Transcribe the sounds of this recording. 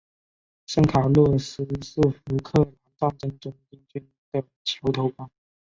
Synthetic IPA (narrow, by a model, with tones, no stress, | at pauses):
ʂə˥˩ŋkʰa˨˩lə˥˩ʂ̩˥ʂ̩˥˩fu˧˥kʰɤ˥˩la˧˥nfa˥˩nʈ͡ʂə˥˩ŋʈ͡ʂʊ˥ŋi˧˥ŋt͡ɕy˥n˥d̪ə˨ | t͡ɕʰjɑ˧˥ʊt̪ʰo˧˥ʊpa˥